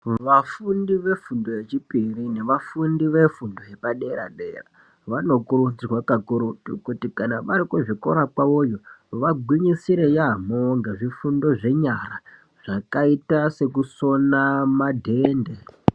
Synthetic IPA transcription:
ʋafundiʋe̞fundoje̞t͡ʃipirine̞ʋafundiʋe̞fundo̞ɦe̞paɗe̞ɾa̰ɗḛːra | ʋano̞kurud͡zrwakakuɾutṵkutikanaʋaɾikuʐikoɾapwaojo̞ʋaɡʱwiɲisiɾejaamoŋɡaʐifundo̞ʐe̞ɲara | ʐ̥akaitase̞kuso̞namadʱe̞ːnde

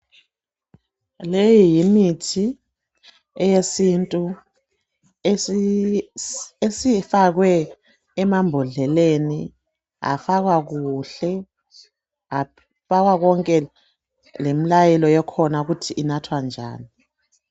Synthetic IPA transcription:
lejijimitʰi | ɛjesintʼu | esifaɣwɛː | mambʱɔɮɛleni | a̰faɣwaɣuɬɛ | a | faɣwaɣɔŋkʼɛ | lemilajɛlɔjɛkʰɔnauɣutʰiʔːnatʰwand͡ʒʱa̰ːni

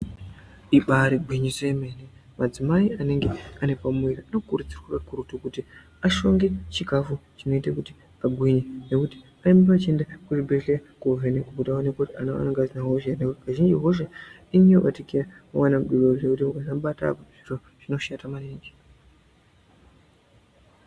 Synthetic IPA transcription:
iɓaɾiɡwiɲisojeme̞ːnemad͡zimaiane̞ŋɡe̞ane̞pamweɾianokurud͡zirwurakuɾutukuti | aʃo̞ŋɡet͡ʃikafut͡ʃino̞itakuti̥ | aɡʱwiɲene̞kuti̥ | aimbat͡ʃiendakuʐibʱeɬekovenekukutaonekotia̰noa̰naŋɡazinaɦoʃenekaʒind͡ʒiɦo̞ʃ̬e | iɲio̰ʔatikiraawanamɗiɓoekutiukasaɓata̰puʐ̥iro | ʐ̥ino̞ʃatamareːnd͡ʒi

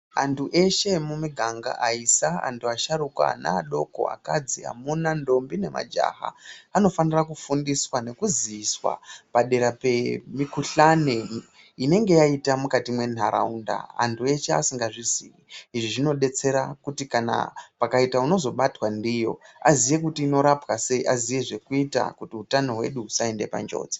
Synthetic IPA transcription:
a̰ntʰuʔe̞ʃe̞mumiɡʱaŋɡa̰ʔaisaa̰ntʰuaʃaɾuka̰na̰aɗo̞ko̞̰a̰kad͡zia̰munando̞mbine̞ma̰d͡ʒa̰ːɦa̰ano̞fanirakufundiswane̞kuziːswa̰paɗe̞ɾape̞mikuɬane | ine̞ŋɡe̞jaitamukatimwe̞n̤aɾa̰unda̰ːntʰue̞t͡ʃea̰siŋɡaʐizḭwiiʐiʐino̞ɗe̞t͡se̞ɾakutikana̰pakaitauno̞zo̞ɓatwandijo̞̰azije̞k̬utiːno̞ɾapwase̞iʔazije̞ʐe̞kuita̰kutiutano̞ɦwe̞̰ɗuusae̞nde̞pa̰nd͡ʒo̞̰ːd͡ze̥

